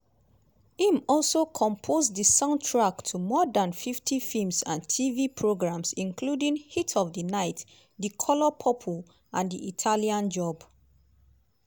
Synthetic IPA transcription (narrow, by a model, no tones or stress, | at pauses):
ĩmɔlˠsokʰɔ̃mpʰozdəsãʊ̃ntʰɹaktʰumɔdãnfiftʰifilmsã̰ntʰivipʰɹoɡɹãmsĩnkʰludĩŋhitʰɔvdənaɪt | ðikʰɔlɔpʰɔpʰə | ʔãndiʔitʰaliãnd͡ʒɔb